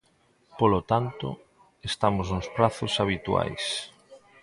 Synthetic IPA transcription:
polot̪ant̪o̰ | est̪amoznospɾaθosaβ̞it̪wa̰js

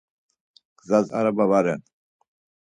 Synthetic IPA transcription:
ɡ̥zaza̰ɾabavaɾɛn

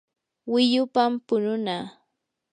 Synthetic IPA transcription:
wɪʎʊpampʊnʊnaː

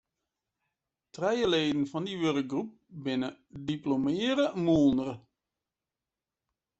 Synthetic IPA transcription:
trɛjəleːdənvɑndiʋørək̚ɡrup̚bɪnədiplomɪːɾəmulˠnərə

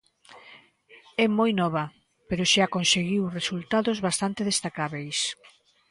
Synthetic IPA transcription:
ɛmojnɔβɐ | peɾʊʃakonseɣiwresult̪aðozβast̪ant̪eðest̪akaβejs

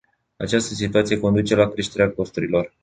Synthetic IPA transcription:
a̰t͡ʃast̪əsit̪uat̪sije̞ko̞nd̪ut͡ʃe̞lakɾe̞ʃt̪e̞ɾeako̞st̪uɾilo̞r

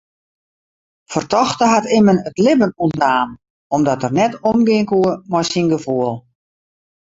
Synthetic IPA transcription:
fərtɔxtəɦatɪmənətlɪbənuntnaːm | ɔmdɔtərnɛtɔmɡɪəŋkuəmɔjsinɡəfuəlˠ

